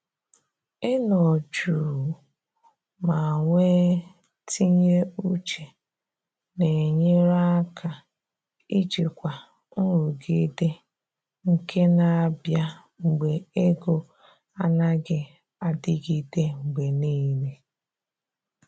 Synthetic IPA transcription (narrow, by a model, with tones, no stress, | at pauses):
e˦nɔ˨d͡ʒu˨ | ma˨ŋʷe˦ | tʰi˦ɲe˦u˦t͡ʃe˨ | ne˨ɲe˦ɾa˦a˦kʰa˨ | i˦d͡ʒi˨kʷa˨ | n̩˦ɾu˨ɡi˦de˦ | ŋ̩˨ke˦na˨a˨bja˦ | ŋ͡m̩˨ɡ͡be˨e˦ɡo˦ | a˦na˦ɡɪ˦ | a˨dɪ˦ɡi˦de˦ŋ͡m̩˨ɡ͡be˨niː˦ne˦